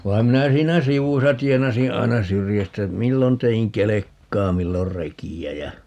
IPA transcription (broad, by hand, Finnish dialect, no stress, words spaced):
ʋɑi̯m minæ siːnæ siʋusɑ tienɑsĩː ɑi̯nɑ syrjæstæ milːon teiŋ kelekːɑː milːor rekiæ jæ